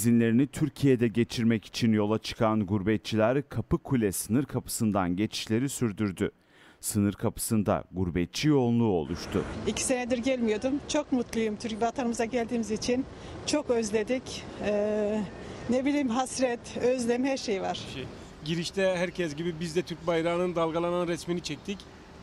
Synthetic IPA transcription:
zinlʲe̞ɾinit̪ʰyɾcʰijed̪ɛɟe̞t͡ʃʰiɾmɛci̥t͡ʃʰinjo̞lˠat͡ʃʰɯ̥kʰanɡuɾbɛt̪̚t͡ʃʰilʲæɾkʰapɯkʰulʲɛsɯnɯɾkʰapʰɯ̥sɯnd̪anɟe̞t͡ʃʰi̥ʃlʲe̞ɾisyɾd̪yɾd̪y | sɯnɯɾkʰapʰɯ̥sɯnd̪a̰ɡuɾbɛt̪̚t͡ʃʰijo̞lˠlˠuo̞̰lˠuʃt̪ʰʊ̰icʰi̥se̞ned̪iɾɟælʲmijo̞d̪umt͡ʃʰo̞kmut̪lˠujumt̪ʰyɾcbat̪ʰanɯmɯzaɟælʲd̪iːmizit͡ʃʰin | t͡ʃʰo̞køzlʲe̞d̪icː | nebilʲiːmɦasɾɛt̪øzlʲɛmhæɾʃejvaɾ̥ | ɟiɾiʃt̪ʰɛhæɾcʰɛsɟibibizd̪ɛt̪ʰyɾc̚bajɾaːnɯnd̪alˠɡalˠananɾɛsminit͡ʃʰɛc̚t̪ʰic

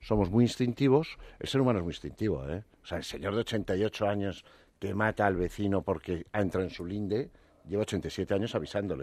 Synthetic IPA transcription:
so̞mo̞zmwiinst̪int̪iβ̞o̞se̞lse̞ɾumãnoezmuĩnst̪int̪iβo̞̰ḛo̥seaelse̞ɲo̞ɾðeo̞t͡ʃe̞nt̪ajo̞t͡ʃoaɲo̞s | ke̞mat̪aːlβe̞θinopo̞ɾke̞aent̪ɾaoensulind̪e | ʝeβaot͡ʃent̪ajsje̞t̪e̞aɲo̞saβ̞isand̪o̞le

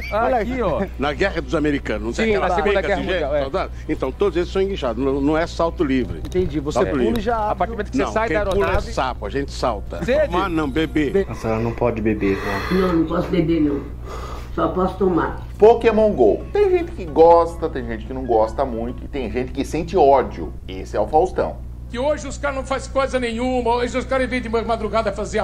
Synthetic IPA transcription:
aɔʎaiɔnɐɡɛʁɐd̪ʊzameɾikɐ̃nznɐ̃st̪ĩaakd̪ɐkɐɛɐʒẽasawt̪ad̪ʊẽnt̪ɐ̃w̃t̪od̪ʊzelɪsɐ̃w̃ĩɡiʃad̪ʊznɐ̃nɐ̃w̃ɛsawt̪ʊlivɾɪ̰ẽnt̪ẽd͡ʒivosaepuɾʒaapaɾt͡ʃimẽnt̪ʊ̥knsɐ̃sajk̪ɐeɾoulɛvsapʊɐʒẽnt͡ʃ̪ɪ̥sawt̪ɐsemanɐ̃w̃bebeeɐsɔɐnɐ̃w̃pɔd͡ʒɪbebenãnɐ̃w̃nɐ̃w̃pɔsʊbebenĩ | sɔpɔsʊ̥t̪oma̰ɾ | pokemõw̃ɡowt̪ẽj̃ʒẽnt̪ɪ̥kɪɡɔst̪ɐt̪ẽj̃ʒẽnt͡ʃɪkɪnɐ̃w̃ɡɔst̪ɐmũj̃t̪ʊɪt̪ẽj̃ʒẽnt̪ɪ̥kɪsẽnt͡ʃɪɔd͡ʒiʊ̰ | esɪɛʊfawst̪ɐ̰̃w̃ | kɪoʒɪʊskaɾɐnɐ̃w̃faskojzɐnẽj̃ũmɐoʒɪʊskaɾɐivẽj̃d̪ɪmɐmad̪ɾuɡad̪ɐfaze

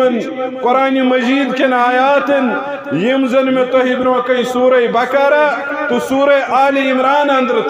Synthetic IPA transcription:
ɐn | koɾaːnimɐziːd̪kenaːjaːt̪ɐn | jimzɐnmet̪oɦibinwɐkɐĩsuːɾɐjbɐkɐɾa | t̪usuːɾɐjʔaːliimɾaːnɐnd̪ɾ

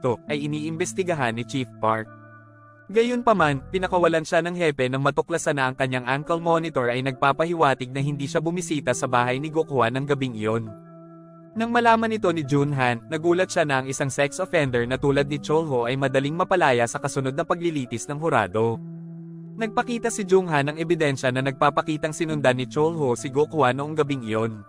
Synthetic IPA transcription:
t̪oʔɐjʔɪniːʔɪmbɛst̪ɪɡɐɦanːɪt͡ʃifpaɹk̚ | ɡɐjonpɐmanpɪnɐkɐwɐlanʃanɐŋhɛpɛnɐŋmɐt̪ʊklɐsanɐɐŋkɐɲːaŋʔaŋkɐlmo̞nɪt̪o̞ɹʔɐjnɐɡ̚paːpɐhɪwaːt̪ɪɡ̚nɐhɪnd̪iːʃabʊmisiːt̪ɐsɐbaːɦɐjnɪɡokowanɐŋɡɐbɪŋjo̞n | nɐŋmɐlaːmɐnɪt̪o̞nɪd͡ʒunɦanːɐɡuːlɐt̪̚ʃanɐʔɐŋɪsaŋsɛksʔofɛnd̪ɛɹnɐt̪uːlɐd̪̚nɪt͡ʃolhoʔɐjmɐd̪ɐliŋmɐpɐlaːjɐsɐkɐsʊno̞d̪̚nɐpɐɡ̚lɪliːt̪ɪsnɐŋɦʊɾa̰ːd̪o̞ | nɐɡ̚pɐkiːt̪ɐsɪd͡ʒuŋɦanːɐŋɛbɪd̪ɛnʃɐnɐnɐɡ̚paːpɐkiːt̪ɐŋsɪnʊnd̪anɪt͡ʃolhosɪɡokʊwanoʔoŋɡɐbiŋɪjo̞n

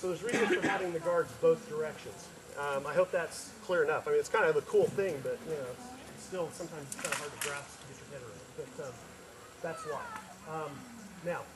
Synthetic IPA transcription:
soʊðə˞zɹizɨ̃nz̥fə˞æɾɪ̃ŋðɨɡɑɹdzboʊθd̥ə˞ɛkʃɨ̃nz̥ | ʌ̃maɪɦoʊp̚ðæts | kʰl̥ɪɹɨnʌfaɪmĩnɨtskʰãɪ̃ndɨvəkʰulˠθɪ̃ŋbʌt̚jɨnoʊsɪtstɪlˠsʌ̃mtʰãɪ̃mz̥tkʰãɪ̃dəɦɑɹɾɡɹæftʰəbitʰɹ̥ɨkʰɛɾə˞ɨ | b̥ʌt̚ʌ | ðætswaɪ | ʌ̃m | naʊ

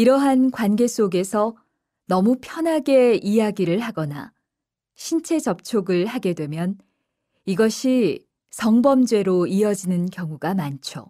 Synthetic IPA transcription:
iɾʌɦankwanɡe̞s͈oɡe̞sʰʌ | nʌmupʰjʌnɦaɡe̞ijaɡiɾɯɭɦaɡʌna̰ | ɕʰint͡ɕʰe̞d͡ʑʌp̚t͡ɕʰoɡɯɭhaɡe̞dwe̞mjʌn | iɡʌɕʰi | sʰʌŋbʌmd͡ʑwe̞ɾoiʌd͡ʑinɯnkjʌŋuɡamant͡ɕʰo̰

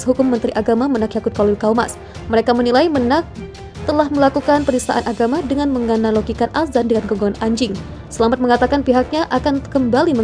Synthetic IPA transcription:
sɦukʊmːənt̪ɾiʔaɡamamənak̚jakut̪̚kalilkawma̰s | məɾekamənilajmənak̚ | t̪əlahməlakukanpənisa̰ʔa̰nʔaɡamadəŋanməŋanaloɡikanʔaszandəŋanɡoɡaŋanʔaɲd͡ʒɪŋ | səlamat̪̚məŋat̪akanpiɦak̚ɲaʔakankəmbalimə

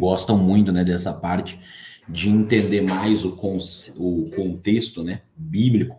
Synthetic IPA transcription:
ɡɔst̪ɐ̃w̃mũj̃t̪ʊnɛd̪ɛsɐpaɾt͡ʃɪ̥d͡ʒɪẽnt̪ẽnd̪eɾmajzʊkõsʊkõnt̪est̪ʊnɛbiblikʊ̥

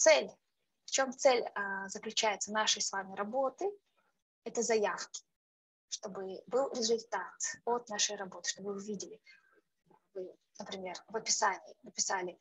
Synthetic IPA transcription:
t̪sɛlʲ | ft͡ɕo̞mt̪sɛlʲzəklʲʉt͡ɕæjɪt̪sənaʂɨjsvamʲɪɾɐbo̞t̪ɨ | ɛt̪əzɐjafkʲɪ̥ | ʂt̪o̞bɨbɨlˠɾʲɪzʊlʲt̪at̪ot̪̚naʂɨjrɐbo̞t̪ɨ̥ʂt̪o̞bvɨʊvʲidʲɪlʲɪ | vɨ | nəpɾʲɪmʲe̞rvəpʲɪsanʲɪːnəpʲɪsalʲɪ

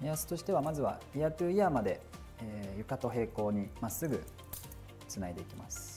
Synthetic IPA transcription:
iasɨ̥t̪o̞ɕi̥t̪e̞β̞amazɨβa̰iat̪ɯːiamad̪e̞ | eːjɯ̟kat̪o̞ɦe̞ːko̞ːɲ̟imasːɨɡɯ̟ | t͡sɨnaid̪e̞ikʲima̰sɨ̥

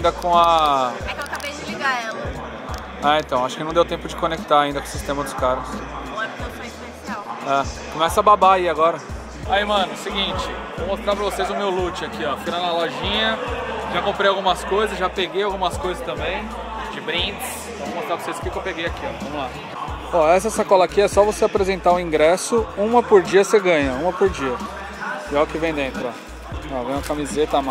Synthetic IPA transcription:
ĩd̪ɐkõɐmɛkewkabejɪiɡaɛlɐ | aẽt̪ɐ̃w̃aʃʊ̥kɪnɐ̃d̪ewt̪ẽpʊd͡ʒɪkonek̚t̪aɾaĩnd̪ɐkõsist̪ẽmɐd̪ʊskaɾɐs | w̃ɛpɐosẽspesiawɛkõmɛsɐababaiaɡɔɾɐ | aimɐ̃nʊsɪɡĩt͡ʃɪ | vowmost̪ɾaɾpɾɐvosezʊmewlut͡ʃɪakiɔfiɾɐ̃d̪ʊɐlɔʒĩɲɐʒakõmpɾejawɡũmɐskojzɐsʒapeɡejawɡũmɐskojzɐst̪ɐ̃mbẽj̃ | d͡ʒɪbɾĩds | vɐ̃õmost̪ɾaɾvosezʊ̥kikewpeɡejakiɔ̰vɐ̃mʊla | oɛsɐsakɔlakiɛsɔvoseapɾezẽnt̪aʊĩŋɡɾɛsʊũmɐpoɾd͡ʒiɐseɡɐ̃jɐũmɐpoɾd͡ʒiɐ | ʒaʊkɪvẽj̃d̪ẽnt̪ɾʊɔ | ɔvẽj̃ũmɐkamizet̪ɐama

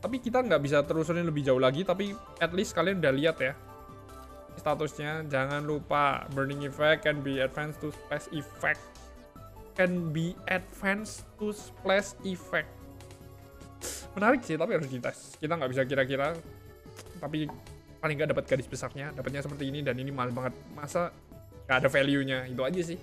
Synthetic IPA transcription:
t̪apikit̪aŋɡaʔbis̬at̪əɾus̬ʊnɪnləbɪhd͡ʒaulaɡit̪ap̬i | ɛt̪lɪst̪skalianudahliat̪ja | st̪at̪usɲad͡ʒaŋanlupa̰bərnɪŋifɛkːɛnbiɛdfɛnst̪usplɛsifɛk̚t̪ | kɛnbiad̚fɛnst̪usplɛsifɛk̚ | mənaɾɪksɪht̪apiɦaɾʊsdit̪ɛs | kit̪aŋɡaʔbisak̬iɾak̬iɾa | t̪ap̬i | palɪŋɡaʔdapat̪̚ɡ̥adɪsbəsarɲadapat̪̚ɲasəpərt̪iːnidaninimalbaŋət̪̚masa | ŋɡaʔːdafeliuɲaɡit̪uad͡ʒas̬ɪh

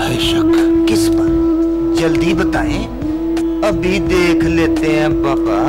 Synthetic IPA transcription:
eʃəkkɪspɐɾ | d͡ʒɐld̪ibɐt̪a̰ːẽː | ɐbʱid̪eːkʰleːt̪eɦɛ̃baːba

